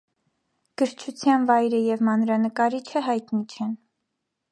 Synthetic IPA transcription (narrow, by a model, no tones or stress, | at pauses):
ɡ̥əɾt͡ʃʰut͡sʰjɑnvɑjɾəjɛvmɑnɾɑnəkɑɾit͡ʃʰəɦɑjt̪nit͡ʃʰɛn